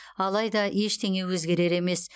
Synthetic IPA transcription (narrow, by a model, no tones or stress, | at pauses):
ɑlˠɑjd̪ɑeʃt̪ʰe̞ŋe̞wɵzɡʲe̞ɾe̞ɾe̞me̞s